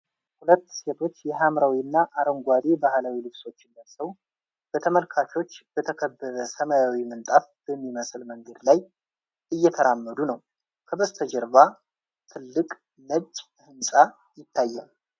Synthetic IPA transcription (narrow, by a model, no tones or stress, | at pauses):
hulət̪ːse̞t̪ʰo̞t͡ʃːjɛɦamɾawiɨnːaʔaɾəŋɡʷad̪ebahlawilɨβso̞t͡ʃːɪnd̪asəw | b̥ət̪ʰəməlkʰat͡ʃo̞t͡ʃːb̥ət̪ʰəkʰəbːəɾəsəmajawimɨnt̪ʼafb̥əmːiməslməŋɡəd̪laj | ʔɨjːɛt̪ʰəɾamːəd̪unəw | kʰəbəst̪ʰəd͡ʒəɾba | t̪ʰɨlːɨkʼ | nəd͡ʒː | hɨnsʼa | jɪt̪ːajːɛn